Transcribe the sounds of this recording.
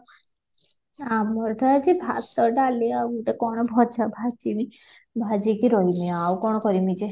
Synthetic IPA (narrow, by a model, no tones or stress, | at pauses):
amɔɾt̪ʰad͡ʒebʱa̰t̪ɔɾɖaliawmuʈekɔɽ̃ɔbʱɔt͡ʃʰabʱat͡ʃimi | bʱad͡ʒikiɾɔiniawkɔɽ̃ɔkɔɾimid͡ʒe